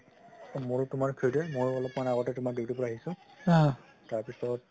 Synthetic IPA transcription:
moɹtʊmaɹkʰijdɛmoɹɔlɔpmanaɡɔtɛtʊmakdiwtupɔɹaːɦisʊ̃ | taɹpisɔt̚

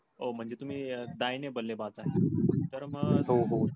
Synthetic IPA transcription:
om̤əɳd͡zet̪um̤iːd̪ajnebəlːebat͡saɦet̪əɾməɡɦoɦo

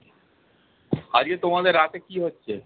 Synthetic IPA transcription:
haɾiet̪omad̪eɾːat̪ekiɦotːɕʰe

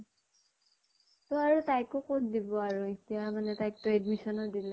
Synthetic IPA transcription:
tɔaɹutajkʊkotdibɔaɹuetijamanɛtajk̚tɹedmisɔnɔdila

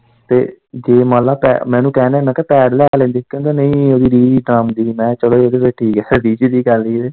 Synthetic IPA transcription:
t̪ḛːd͡ʒeːmãːlaːpɛ̰mɛ̃ːnũːkɛːneːmɛ̃ːkepɛːɽlɛːlẽːnd̪iːkjõːd̪eːnəĩːoːd̪iːɾiːd͡ʒɖɾaːmd̪iːmɛ̃ːt͡ʃəɽoːioːd̪eːʋeːʈʰːiːkɛɾiːt͡ʃːd̪iːɡəliːeː

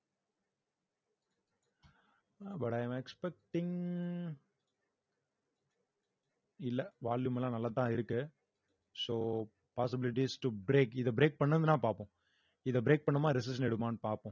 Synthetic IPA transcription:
bɐʈɐɪɐmɛkspɛk̚ʈɪŋ | ɪlːɛʋaːɭjɯmɛlãːnɐlːaːt̪ːãːɪɾɯkːɯ | soː | paːsɪbɪlɪʈ̬iːsʈubɾeːkɪðɐbɾeːk̚pɐɳːɐnðɯnãːpaːɾpõː | ɪðɐbɾeːk̚pɐɳːɐmaːɾɪs̬ɪsɐnɛɽɯmaːnɯpaːɾpõ

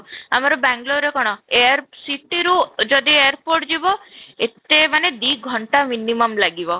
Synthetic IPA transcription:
amaɾɔbaŋɡloɾekɔɽ̃ɔejaɾsiʈiɾud͡ʒɔd̪iejaɾpoɾʈd͡ʒibɔet̪emaned̪iɡʱɔɳʈaminimɔmlaɡibɔ

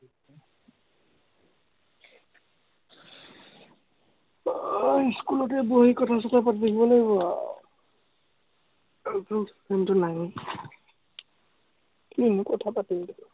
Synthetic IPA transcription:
skulɔt̬ɛboɦikɔtʰas̬ɔtʰapatid̪ekʰibɔlojba | apɔnssantʊnaɡe | inukɔtʰapatiltɔ

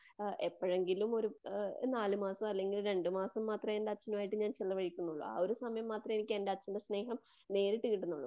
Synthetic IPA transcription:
epːɐɻe̞ŋɡilumo̞ɾunaːlɨmaːsɐmɐlːe̞ŋɡilɾe̞ɳɖɨmaːsɐmːaːt̪rɐendeɐt͡ɕːɐnumaːjiʈːɨɲaːnt͡ɕilːɐʋɐɻikʲːunːuɭːṵa̰ːo̞ɾusɐmɐjɐmːaːt̪rɐme̞nikʲːe̞ndeɐt͡ɕːɐndesne̞ːɦɐm | ne̞ːɾiʈːɨkːiʈːunːuɭːṵ

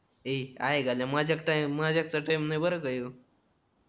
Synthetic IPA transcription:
ea̰jɡʱaljamad͡ʑʱakʈajmːad͡ʑʱak̚t͡saʈajmnajbəɾəkajo

